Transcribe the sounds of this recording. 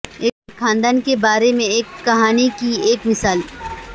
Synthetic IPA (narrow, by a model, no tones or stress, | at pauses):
eːkːɾkʰãːnd̪aːnkebaːɾemẽeːkːɐɦaːnikieːkmɪsaːl